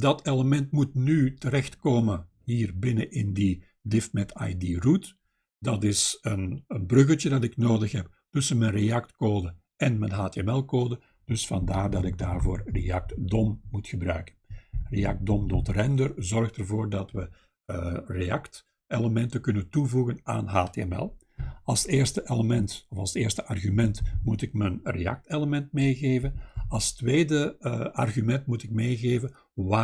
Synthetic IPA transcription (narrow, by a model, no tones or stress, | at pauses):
dɑteləmɛntmutnytəɾɛxtkoːmə | ɦiːrbɪnəʔɪndi | dɪftmɛta̰jdirut | dɑtɪsənənbrɵɣəlˠtədɑtɪknoːdəxɦɛp | tɵsənmɛnrejɑktkoːdə | ɛnmɛnɦaːteɛmɛlˠkoːdə | d̥ɵsfɑndaːrdɑtɪɡ̚daːrvoːrrḛjɑk̚tdɔmmutxəbrœ̰ɥkə̥nrejɑ̰k̚t̚dɔmdɔtrɛndərzɔrxtərvoːrdɑtʋə | rejɑkt | eləmɛntəkɵnəntuvuɣəna̰ːnɦaːteɛmɛ̰lˠ | ɑlˠseːrstəʔeləmɛntɔfɑlˠseːrstəʔɑrɣymɛntmutɪk̚mənrejɑ̰k̚teləmɛntmeːɣeːvənɑlˠstweːdəɑ̰rɣymɛntmutɪk̚mejɣeːvən | aː